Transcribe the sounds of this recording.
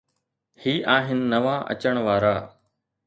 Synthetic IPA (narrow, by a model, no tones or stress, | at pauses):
hiːʔaːɦɪnɪ̆nɐʋaʔɐ̰t͡ɕəɽ̃ʋaːɾaː